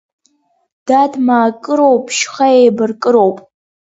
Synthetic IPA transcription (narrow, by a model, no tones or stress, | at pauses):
d̥admaːkʼɨɾowpʰʼʃχajejbɨrkʼɨɾowpʼ